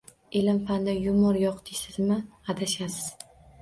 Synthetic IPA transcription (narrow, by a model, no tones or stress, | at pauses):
elɪmfand̪ajʊmɒɾjɒqt̪ʰɪsɪzmɪad̪aʃasɪz̥